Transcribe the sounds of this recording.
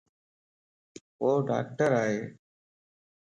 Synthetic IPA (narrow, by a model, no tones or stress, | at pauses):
ɦoːɖa̰ːk̚ʈəɾaːɦeː